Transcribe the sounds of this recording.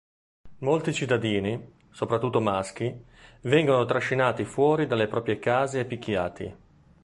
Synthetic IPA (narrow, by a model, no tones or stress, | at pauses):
molt̪it͡ʃit̪ːad̪iːni | sopɾat̪ːut̪ːomask̟i | vɛŋɡonot̪ɾaʃːinaːt̪ifwɔːɾid̪alːepɾɔːpɾjekaːzeːpːikːjaːt̪ḭ